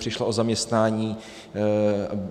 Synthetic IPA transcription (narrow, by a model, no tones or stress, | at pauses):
r̥ɪʃlaozamɲɛst̪naːɲiː